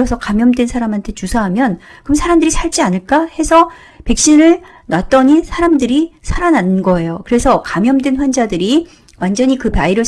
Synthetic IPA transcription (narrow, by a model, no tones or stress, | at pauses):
ʌsʰʌkamjʌmdwe̞nsʰaɾamɦantʰe̞t͡ɕusʰaɦamjʌn | kɯmsʰaɾamdɯɾisʰaɭt͡ɕ͈ianɯɭk͈ahe̞sʰʌ | pe̞k̚ɕ͈inɯɭ | nwat̚t͈ʌɲisʰaɾamdɯɾisʰaɾananɯnɡʌe̞jokɯɾe̞sʰʌkamjʌmdwe̞nɸwand͡ʑadɯɾi | wand͡ʑʌɲikɯpaiɾɯ